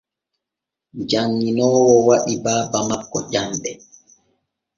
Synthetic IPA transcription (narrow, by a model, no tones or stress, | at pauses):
d͡ʒaŋːinɔːwɔwaɗibaːbamakːɔʄamɓɛ